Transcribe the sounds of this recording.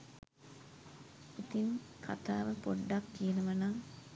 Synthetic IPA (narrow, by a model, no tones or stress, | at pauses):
it̪inkʰa̰t̪a̰ːʋəpoɖːakːijənuʋɐnaː